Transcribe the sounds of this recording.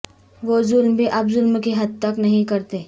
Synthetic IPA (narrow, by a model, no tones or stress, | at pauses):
ʋoːzʊlmbʱiʔɐbzʊlmkeɦɐd̪̚t̪ɐknɐɦĩkɐɾt̪eː